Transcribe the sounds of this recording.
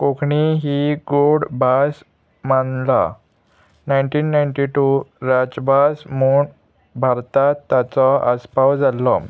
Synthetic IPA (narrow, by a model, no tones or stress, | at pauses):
kokʰɳiɦiɡoɽbʱas | manla̰ | najnʈiːnːajɳʈiʈuɾad͡ʑbʱasmuːɳ | bʱaɾt̪at̪ːat͡sɔəspawd͡zalːɔ